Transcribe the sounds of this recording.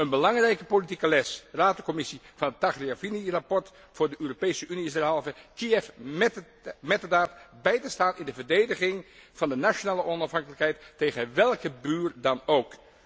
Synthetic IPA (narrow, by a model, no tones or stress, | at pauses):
ənbəlɑŋrɛjkəpolitikəlɛsraːtəkɔmɪsivɑnɦətːaχriavinirapɔɹt | fʊːɹdəʔøːropejsəʔyniɪzdɛɹɦɑlˠvəkiɛf | mɛtədaːtbɛjtəstaːnɪndəvəɹdejdəχɪŋv̥ɑndənaʃonaːləʔɔnɑfɦɑŋkələkɦɛjtːejχənʋɛlˠkəbyːrdɑnowk